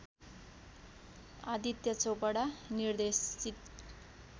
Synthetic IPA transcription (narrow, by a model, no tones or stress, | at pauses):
ad̪ʱit̪jʌt͡sopʌɽanird̪esit̪